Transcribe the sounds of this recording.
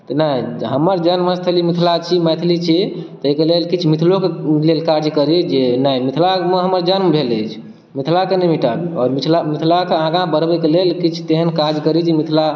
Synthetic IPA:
t̪ɔnəiɦəməɾd͡ʒənmə̃st̪ʰəlimit̪ʰlat͡ʃʰimɛt̪ʰlit͡ʃʰit̪ɔekelelkit͡ʃʰmit̪ʰlokelelkaɾd͡ʒkəɾid͡ʒenəimit̪ʰlameɦəməɾd͡ʒənmebʱelət͡ʃʰ | mit̪ʰlakenemiʈabiɔːɾmit̪ʰlamit̪ʰlakeãɡãbəɾbɛkelelkit͡ʃʰt̪eɦənkaɾd͡ʒkəɾid͡ʒemit̪ʰla

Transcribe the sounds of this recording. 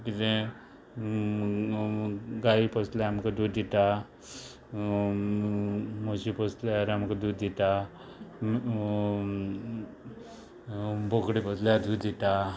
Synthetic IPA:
kit̪ẽ | ɡaipəslaamkad̪uːd̪d̪it̪a | moɕipəslaɾamkad̪ud̪it̪a | bʱokɽipəslaad̪ud̪d̪it̪a

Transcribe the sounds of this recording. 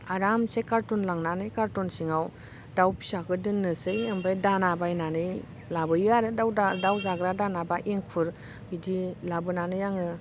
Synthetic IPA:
aɾamsekaɾtɔnlaŋnanɯjkaɾtɔnsiŋaw | d̥awpi̥sakɯdɯnːɯsɯjembajdanabajnanɯj | labɯjaɾɯdawadawzaɡɾadanabaʔeŋkʰɯɾ | bidilabɯnanɯjaŋɯ

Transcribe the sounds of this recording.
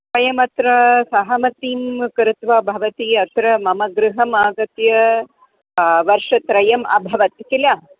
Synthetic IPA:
pɐjɐmɐt̪ɾɐsɐɦɐmɐt̪iːmkɐɾut̪ʋɐbʱɐʋɐt̪iɐt̪ɾɐmɐmɐɡɾɨɦɐmaːɡɐt̪jɐ | ʋɐɾʂɐt̪ɾɐjɐmɐ̰bʱɐʋɐt̪kila

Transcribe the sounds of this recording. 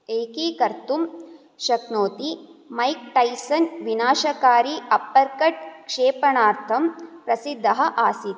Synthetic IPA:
eːkiːkɐɾt̪um | ʃɐknoːt̪imɐjk̚ʈɐjsɐnʋinaːʃɐkaːɾiʔɐpːɐɾkɐʈ̚kʂeːpɐɳaːɾt̪ʰɐmpɾɐsid̪ʱːɐɦɐ̆ʔaːsit̪

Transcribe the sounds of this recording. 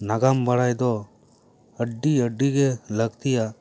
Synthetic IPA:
naɡambəɽajd̪ɔ | əɖːiəɖːiɡeləɡt̪ija

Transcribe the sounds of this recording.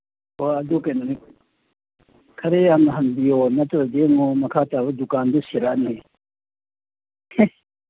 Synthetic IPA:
oɐd̪ukɐjnɐni | kʰɐɾeanɐɦɐnbijonɐtɾɐd̪eŋɔmɐkʰat̪abɐd̪ukand̪usiɾanee

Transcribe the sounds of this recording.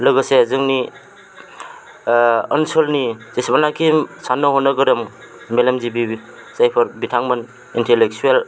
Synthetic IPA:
lɯɡɯsezɯŋni | ənsolnizesbanakʰimsanːɔɦɔnɯɡɯɾɯm | melɐmzibisajpʰɯɾbitʰaŋmɯn | intelek̚t͡ʃuel

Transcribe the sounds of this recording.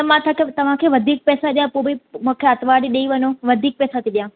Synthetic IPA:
ɐmãt̪ʰaket̪ɐʋ̤ãkʰeːʋɐd̪ʱiːk̚pɛːsaɗijãpoːbimũːkʰeɐt̪ʋaːɽiɗeiʋɐɲoʋɐd̪ʱiːk̚pɛːsat̪ʰiɗijãː

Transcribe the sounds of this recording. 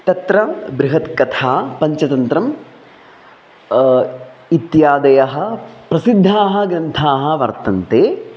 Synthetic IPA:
t̪ɐt̪ɾɐbɾɪɦɐt̪kɐt̪ʰaːpɐɲt͡ʃɐt̪ɐnt̪ɾɐm | it̪jaːd̪ɐjɐɦɐ̆pɾɐsid̪ʱːaːɦɐ̆ɡɾɐnt̪ʰaːɦɐ̆ʋɐɾt̪ɐnt̪eː

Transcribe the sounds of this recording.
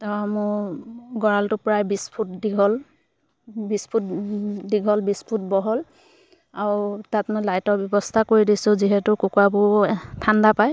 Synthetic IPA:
tɔmʊ | ɡɔɹaltʊpɹajbispʰutdiɡʱɔl | bispʰut̚diɡʱɔlbispʰut̚bɔɦɔl | aɹtatmojlajtɔɹbjɔbɔstʰakoɹidisʊ̃ziɦɛtʊkʊkwabʊtʰandapaj

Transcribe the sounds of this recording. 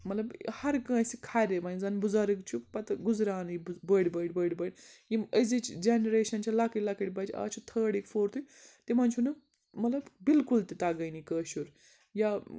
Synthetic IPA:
mɐt̪lɐbhɐɾkɐ̃ːsikʰaɾʲemɐnd͡zɐnbuzaɾɨkt͡ʃʰupɐt̪ɨɡuzɾaːnibəɽʲbɐɖʲbəːɽʲbɐɽʲjĩəzit͡ʃʰd͡ʒenɾeːʃɐnt͡ʃʰalɐkiʈlɐkɐʈʲbɐt͡ʃa̰ːt͡ʃʰut̪ʰəːɽikfoːɾt̪ʰut̪imɐnt͡ʃʰunɨ | mɐt̪lɐbbilkult̪it̪aɡɐjnikəːʃuɾ | ja

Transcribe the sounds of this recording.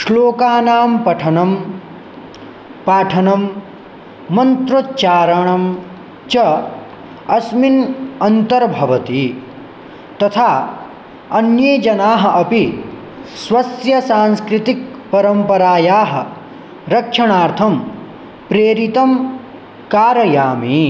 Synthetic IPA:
ʂloːkaːnaːmpɐʈʰɐnɐm | paːʈʰɐnɐmː | ɐnt̪ɾot͡ʃaːɾɐɳɐm | t͡ʃɐ | ɐsminɐnt̪ɐɾbʱɐʋɐt̪i | t̪ɐt̪ʰaː | ɐnjeːd͡ʒɐnaːɦɐ̆ʔɐpi | sʋɐsjɐsaːnskɾit̪ik̚pɐɾɐmpɐɾaːjaːɦɐ̆ | ɾɐkʂɐɳaːɾt̪ʰɐm | pɾeːɾit̪ɐm | kaːɾɐjaːmiː

